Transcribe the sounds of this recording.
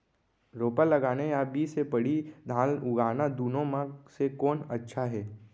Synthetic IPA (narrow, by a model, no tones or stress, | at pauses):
ɾoːpəlːɐɡaːnejabiːsepəɽid̪ʱãːlʊɡaːnad̪uːnõmãsekɔːnɐtːʃʰaɦɛː